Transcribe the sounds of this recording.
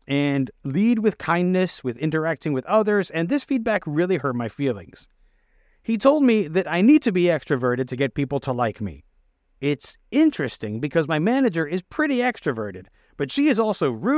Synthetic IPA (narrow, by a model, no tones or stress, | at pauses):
ɨ̃nlid̚wɨð̥kʰãɪ̃nːɨswɨðɪ̃ntə˞æk̚tɪ̃ŋwɨðʌðə˞zɨ̃nðɪsfid̚bækɹɪlˠihɜ˞d̚maɪfilˠɪ̰̃ŋz̥ | hitʰoʊlˠd̚miðɨɾaɪnid̚tʰɨbiɛkstɹ̥ɨvɜ˞ɾɨd̚tʰɨɡɛt̚pipl̩ˠtʰəlaɪkmḭ | ɪtsɪ̃nt͡ʃɹ̥ɨstɪ̰̃ŋbɨkʰʌzmaɪmænɨd͡ʒə˞ɪz̥pʰɹ̥ɪɾiɛkstɹ̥ɨvɜ˞ɾɨd̚ | b̥ʌtʃiɨzɔlˠsoʊɹʉ